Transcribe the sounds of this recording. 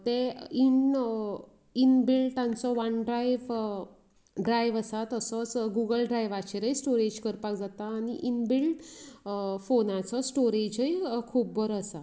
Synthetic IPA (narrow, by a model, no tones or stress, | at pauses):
t̪ein | inbilɖt̪ãnt͡sɔʋanɖɾajʋ | ɖɾajʋəsat̪əsɔt͡sɡuɡəlɖɾajʋat͡ɕeɾəjsʈoɾed͡ʑkəɾpakd͡zat̪aːniʔinbilɖ | fonãt͡sɔsʈoɾed͡ʑəjkʰuːb̚ːəɾəsa